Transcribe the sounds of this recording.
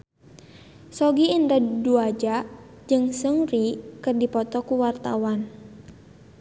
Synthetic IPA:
sɔɡiːndaduad͡ʒa | d͡ʒɨŋsəŋrikɨrdipɔt̪ɔkuwart̪a̰wan

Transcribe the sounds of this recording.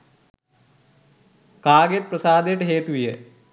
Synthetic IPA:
kaːɡet̪̚prɐsaːd̪eːʈːɨɦeːt̪uʋije

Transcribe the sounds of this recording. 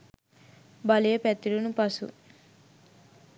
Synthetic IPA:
bɐlijepɛt̪ːiɽunupɐsṵ

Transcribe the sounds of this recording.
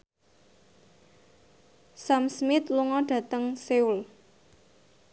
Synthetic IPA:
samsmɪt̪luŋɔɖ̥ä̤t̪əŋseul

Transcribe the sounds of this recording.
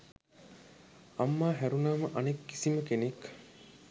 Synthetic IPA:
ɐmːaːɦæɾunaːmɐʔɐnekːi̥siməkenek

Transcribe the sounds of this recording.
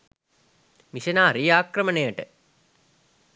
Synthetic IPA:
misenaːɾijaːkrɐmənejəʈə

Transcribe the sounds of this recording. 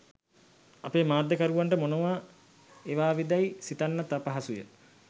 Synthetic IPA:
apeːmaːd̪ːəkaɾuʋaɳʈəmonoʋaː | eʋaːʋid̪ajsit̪anːat̪apɐɦasujə̰

